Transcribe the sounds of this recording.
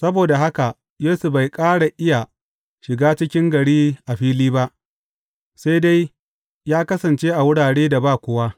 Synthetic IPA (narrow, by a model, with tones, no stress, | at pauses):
sɐ˦boː˨da˨ɦa˦ka˨ | jeː˦su˨ba˨jkʼaː˦ɽa˨ʔɪ˦ja˨ | ʃɪ˨ɡaː˦t͡ʃɪ˦kʲɪ˦ŋɡɐ˨ɽiː˦ʔa˨ɸiː˦liː˦ba˦ʔ | sa˦jda˦j | jaː˦kɐ˦sɐ˨nt͡ʃeː˦ʔa˨wʊ˦ɽaː˨ɽeː˦da˨baː˦˨kʷʊ˨wa˦